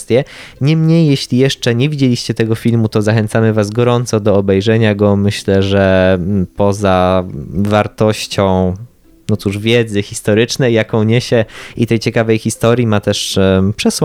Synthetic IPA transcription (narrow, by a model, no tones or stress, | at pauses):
t̪ʲjɛ | ɲɛmɲejːɛɕlʲijɛʂt͡ʂɛɲevʲid͡ʑelʲiɕt͡ɕɛt̪ɛɡɔfʲilmut̪ɔzaxɛnt̪samɘvasɡɔɾɔnt̪sɔd̪ɔːbɛjʐɛɲaɡɔmɘɕlɛʐɛpɔza | vaɾt̪ɔɕt͡ɕɔ̃w̃ | nɔt̪suʐvʲjɛd̪zɘxʲist̪ɔɾɘt͡ʂnɛjːakɔ̃w̃ɲɛɕɛit̪ɛjt͡ɕɛkavɛjxʲist̪ɔɾʲjimat̪ɛʂpʂɛsw